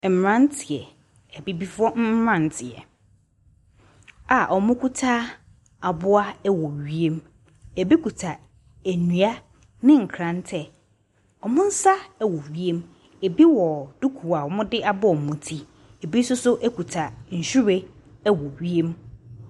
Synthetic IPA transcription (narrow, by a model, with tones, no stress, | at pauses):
m̩˨mɾã˦n˦tʰɪ˨ɛ˨ | ɛ˨bi˦bi˦fʊ˦ɔ˦m̩˦mɾã˦˨n˨tʰɪ˨ɛ̰˨ | a˨ʔɔ˨mʊ̃˦kʰu˦tʰaː˦ | a˨bʊ˦a˦ɛ˦wɔ˨ɥi˦e˦m | æ˨bi˦ku˨tʰa˨ | æ˨nũ˨a˦ | nɪ̃˦ŋ̩˨kʰɾã˨ntʰɛ˦˨ | ɔ˨mʊ̃˦n̩˦sa˦ɛ˦˨wɔ˨ɥi˦e˦m | e˨bi˦wɔ˨d̥u˦kʰu˨a˨ɔ˨mʊ̃˦dɪ˦ʔa˨bʊ˦ɔ˨mʊ̃˨tʰi˦ | e˨bi˦sʊ˦sʊ˦ʔæ˦kʰu˨tʰa˨ɲ̩˨ɕᶣu˦ɾe˦ | ɛ˦wɔ˨ɥi˦e˦m